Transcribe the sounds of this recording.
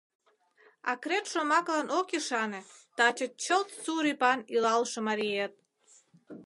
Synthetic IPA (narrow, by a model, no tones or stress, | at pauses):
ɑkɾet̪ʃomɑklɑnʔokeʃɑnet̪ɑt͡ɕət͡ɕəlt̪t͡suɾipɑnilɑlʃemɑɾiet̪̚